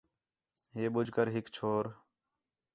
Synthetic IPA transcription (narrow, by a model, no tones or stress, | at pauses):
ɦeːɓʊd͡ʒʱkəɾɦɪkt͡ʃʰoːɾ